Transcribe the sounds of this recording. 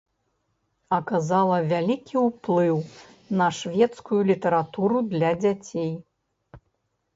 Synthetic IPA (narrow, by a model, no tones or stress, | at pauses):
ɐkazalˠɐvʲalʲikʲʰiwplˠɨw | nɐʂvʲɛt̪skujulʲit̪ɐɾat̪uɾud̪lʲɐd͡zʲat͡sʲej